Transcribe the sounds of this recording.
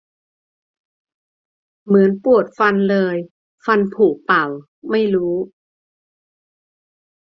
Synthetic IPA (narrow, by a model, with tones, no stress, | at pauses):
mɯ˩˦ənpu˨˩ət̪̚fa˧nlɤː˧j | fa˧npʰuː˨˩k̚pa˨˩w | ma˥˩jɾuː˦˥